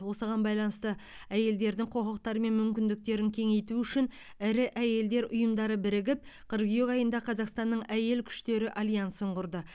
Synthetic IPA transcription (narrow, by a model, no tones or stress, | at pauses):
wo̞səʁɑnbɑjlˠɑnəst̪ə | æje̞ld̪e̞ɾd̪ɪŋqʰo̞ʁəq̚t̪ɑɾəme̞nmʏmkʲɪnd̪ɪk̚t̪e̞ɾɪŋkʲʰe̞ŋe̞jt̪uʏʃɪn | ɪɾɪʔæje̞ld̪e̞ɾʊjəmd̪ɑɾəbɪɾɪɡʲɪp̚qʰəɾɡijekɑjənd̪ɑqʰɑzɑqst̪ɑnːəɴæje̞lkʲʰʏ̥ʃt̪e̞ɾɪʔalʲijansəɴqʊɾd̪ə